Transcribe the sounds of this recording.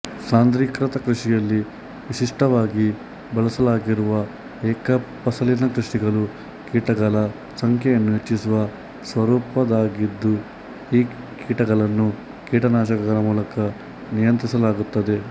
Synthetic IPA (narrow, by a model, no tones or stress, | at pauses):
saːnd̪ɾikɾɐt̪ɐkɾiʂijɐlːi | ʋisiʂʈɐʋaːɡi | bɐlɐsɐlaːɡiɾuʋɐ | ɛːkɐpɐsɐlinɐkɾuʂiɡɐlu | kiːʈɐɡɐɭɐ | sɐŋkʰjejɐnːuet͡ʃːisuʋɐ | sʋɐɾuːpɐd̪aːɡid̪ːu | iː | kiːʈɐɡɐɭɐnːu | kiːʈɐnaːʃɐkɐɡɐlɐmuːlɐkɐ | nijɐnt̪ɾisɐlaːɡut̪ːɐd̪e̞